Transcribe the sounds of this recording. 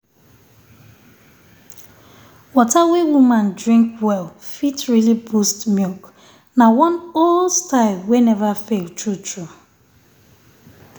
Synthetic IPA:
wɔtawewumãndɹĩŋkwɛlfitɹilibustmjulk | nawɔ̃nolstaɪlˠwenɛvafelˠtɹutʰɹu

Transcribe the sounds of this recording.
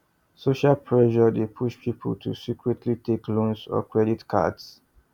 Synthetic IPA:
soʃalpʰɹɛʃɔdepʰuʃpʰipʰə̰ltʰṵsikʰɹɛtʰlitʰeklõnsɔ̰kɹɛditkʰa̰ds

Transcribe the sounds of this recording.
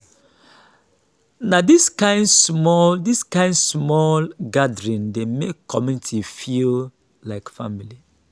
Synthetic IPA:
nadiskãɪ̃ndsmɔldiskãɪ̃ndsmɔlɡadɹĩndemekʰːɔmĩntʰufil | laɪkfamili

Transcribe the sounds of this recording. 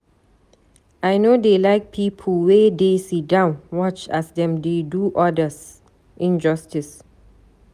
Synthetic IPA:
ʔajnodelaɪk̚pʰipʰəlwedesit̚dãʊ̃nwɔt͡ʃɛsdɛ̃mdeduʔɔdəs | ʔĩnd͡ʒʌstis

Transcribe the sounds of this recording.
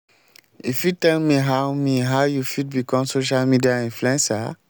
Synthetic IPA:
ifjutɛlmiɦawmiɦaʊjufid̚bikɔ̃msoʃ̬almidiaĩnfluɛ̃nsa

